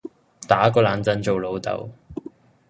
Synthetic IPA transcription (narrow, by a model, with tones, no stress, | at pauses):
t̪aː˨˥kɔː˧laː˨˧nt͡sɐ˧nt͡so˨wlo˨˧wt̪ɐ̰˨˧w